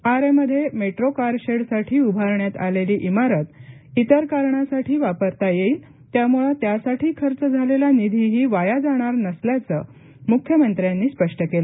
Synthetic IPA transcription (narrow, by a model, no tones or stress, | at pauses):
aɾeməd̪ʱːjemeʈɾokaɾɕeɽsaʈʰiːubʱaɾɳjat̪a̰leliːʔimaɾət̪it̪əɾkaɾɳasaʈʰiːʋapəɾt̪ajeiːl | t̪jamuɭat̪jasaʈʰiːkʰəɾt͡səd͡zʱalelanid̪ʱiɦiːʋajad͡zaɽ̃aɾnəsljat͡sə | mukʰjəmənt̪ɾjanːiːspəʂʈəkela